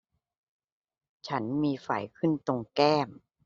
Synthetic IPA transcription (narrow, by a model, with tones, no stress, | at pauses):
t͡ɕʰa˦˥nmiː˧fa˨˩jkʰɯ˥˩nt̪o˧ŋkɛː˥˩m